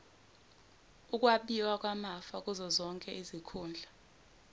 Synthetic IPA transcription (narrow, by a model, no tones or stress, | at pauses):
uk̬ʼwaɓiwak̬ʼwamafak̬ʼuzɔzɔŋkʼɛʔizikʰuːnd͡ɮʱa